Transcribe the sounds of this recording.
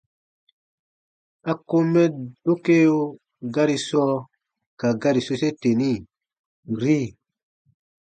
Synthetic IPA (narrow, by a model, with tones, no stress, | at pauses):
a˦ko˦mɛ˦d̥o˦ke˦jo˦ | ɡa˦ɾi˨sɔ˦ | ka˨ɡa˦ɾi˨so˦se˦te˨ni˦˨ | ɾi˦